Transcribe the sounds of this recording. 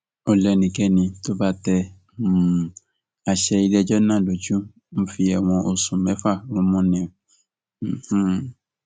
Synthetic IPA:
o˧lɛ˧˨nĩ˨kɛ˦nĩ˧to˦ba˦tɛ˧˨ | a˧ʃɛ˧i˧lɛ˧d͡ʒɔ˦nãː˦˨lo˨d͡ʒũ˦ | m̩˦fi˧ɛ˨w̃ɔ̃˧ʔo˧sũ˨mɛ̃˨˦fa˦˨ɾũ˦mɔ̃˦nĩ˧˨ | h̩˦

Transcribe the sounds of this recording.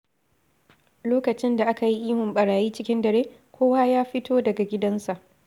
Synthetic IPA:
loː˦kɐ˨t͡ʃɪ˦nda˨ʔa˦ka˨ji˦ʔiː˦mʊ˨mɓɐ˨ɽaː˨jiː˦t͡ʃɪ˦kʲɪ˦ndɐ˨ɾeː˦kʷʰoː˦waː˦jaː˦ɸɪ˦tʰoː˦dɐ˨ɡa˨ɡʲɪ˦dɐ˦nsa˨ʔ

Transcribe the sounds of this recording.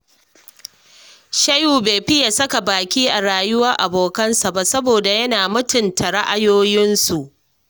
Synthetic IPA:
ʃɐ˦juː˨beː˨ɸɪ˦ja˨sɐ˦ka˨baː˨kʲiː˦ʔa˨ɾaː˨jʊ˦wɐ˦rʔa˨boː˨kɐ˦nsa˨ba˦sɐ˦boː˨da˨jɐ˦naː˨mʊ˦tʊ˨ntʰa˨ɽɐ˦ʔa˨joː˦jɪ˦nsu˨ʔ

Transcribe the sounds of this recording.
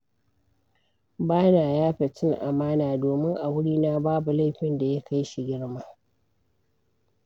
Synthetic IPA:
baː˦naː˨jaː˦ɸe˨t͡ʃɪ˦ŋʔa˨maː˦naː˨doː˨mɪ˦ŋʔa˨wʊ˦ɽiː˦na˦baː˦bu˨la˦˨jɸɪ˦nda˨ja˦kʰa˦jʃi˨ɡʲɪ˦ɽma˦

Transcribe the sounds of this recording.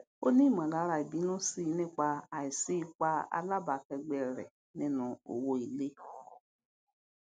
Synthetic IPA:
o˦ni˦˨m˨ã˨ɡa˨˦ɾa˨i˨bi˨˦nʊ̃˦si˦ne˦ka˦a˨ɪ˨si˦ka˦a̰˦la˦ba˨kɛ˧ɡ͡be˨ɾḛ˨ | nɪ˦nʊ̃˨o̰˨wo˦i˨le˦

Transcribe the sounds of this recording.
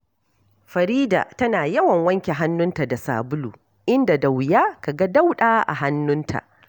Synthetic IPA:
ɸɐ˨ɾiː˦da̰ː˨tɐ˦naː˨jɐ˦wɐ˨ŋwɐ˦ŋkʲe˨ɦa˦nːʊ˦nta˨da˨sa̰ː˨bʊ˦lṵː˨ | ʔɪ˦nda˨da˨wjaː˦ka˨ɡa˦da˦wɗaː˦ʔa̰˨ɦa˦nːʊ˦ntʰa̰˨ʔ

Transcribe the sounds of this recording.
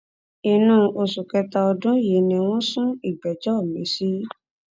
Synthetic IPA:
i˨nũ˧˦ʔo˧su˨kɛ˧ta˧ɔ˧dũ˦je˨˦nĩ˨˧w̃ɔ̃˦sũ˦i˦˨ɡ͡bɛ˨d͡ʒɔ˦˨mĩ˨˦si˦

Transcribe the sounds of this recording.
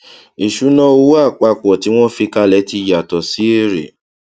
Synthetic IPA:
i˨ʃu˨˦nɔ̃˦o˧˦u˦a˦˨k͡pa˧k͡pɔ˨ti˨˦w̃ɔ̃˦fi˧ka˧˦lɛ˨˦ti˧ja˨tɔ˨si˨˦e˦˨ɾḛ˨

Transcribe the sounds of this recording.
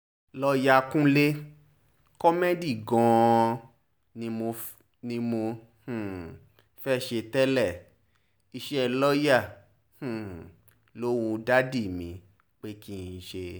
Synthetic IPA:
lɔ˧ja˧kũ˦le˦ | kɔ˦me˦di˦˨ɡɔ̃˨˧ | nĩ˧mo˧ | nĩ˧mo˧ | h̩˦˨ | fɛ˦˨ʃe˧tɛ˦lɛ˦˨ | i˧ʃɛ˦˨lɔ˦ja˦˨ | h̩˨ | lo˦wũ˧da˦di˦˨mĩ˨˦ | k͡pe˦kĩ˦˨ʃe˧

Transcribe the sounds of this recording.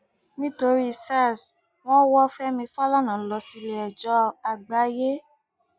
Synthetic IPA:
nĩ˦to˧ɾi˦˧sa˦˨s | w̃ɔ̃˦wɔ˦fɛ˦mĩ˧fa˦la˦˨nã˨˦lɔ˧si˧lɛ˨ɛ˨d͡ʒɔ˨˦a˨ɡ͡ba˨˦je˦

